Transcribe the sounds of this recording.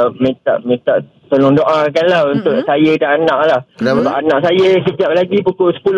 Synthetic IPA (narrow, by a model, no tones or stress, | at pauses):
mĩt̪a̰ʔmĩt̪aʔ | t̪olʊŋdoʔakanlaunt̪ʊʔsajədaanãʔlahbaʔanãʔsajəsəd͡ʒap̚laɡipukʊʔsə̥pul